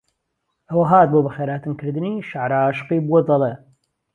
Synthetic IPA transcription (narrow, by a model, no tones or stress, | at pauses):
ʔɐwɐɦaːt̪̚boːbɐxeːɾaːt̪ɨnkʰɨɾd̪ɨniʃaʕɾaaːʃɨ̥qiːbuod̪ɑlˠe